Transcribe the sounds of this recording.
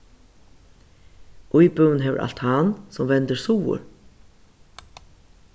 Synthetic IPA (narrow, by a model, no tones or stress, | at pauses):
ʊjbœwnɦɛːʋə̰ʔa̰lt̪hansɔmʋɛnt̪əɹsuːʊ̰ɾ